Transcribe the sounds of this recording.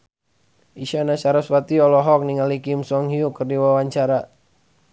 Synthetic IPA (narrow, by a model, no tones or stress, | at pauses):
iʃanat͡ʃaɾaswat̪iɔlɔɦɔk̚niŋalikimsɔŋɦiukərdiwawaɲt͡ʃaɾa